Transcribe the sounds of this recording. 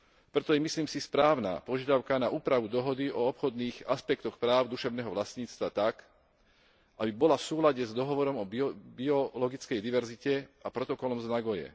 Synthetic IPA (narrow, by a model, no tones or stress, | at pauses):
pɾɛt̪ɔjɛmisliːmsispɾaːʊna̰pɔʒɪad̪aʊkanaʔuːpɾaʋud̪ɔɦɔd̪iʔɔɔpxɔd̪niːɣaspɛkt̪ɔxpɾaːʊd̪uʃɛʊnɛːɦɔʋlast̪ɲiːt͡st̪ʋat̪ak | ʔabibɔlafsuːlaɟɛzd̪ɔɦɔʋɔɾɔmɔbbiɔlɔɡit͡skɛjd̪iʋɛɾzicɛapɾɔt̪ɔkɔlɔmznaɡɔjɛ̰